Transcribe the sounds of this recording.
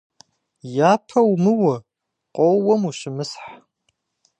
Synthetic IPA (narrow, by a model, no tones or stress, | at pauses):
jaːpʰɐwmɨwɐ | qʷʼɔwwɔmuɕɪmɨsħ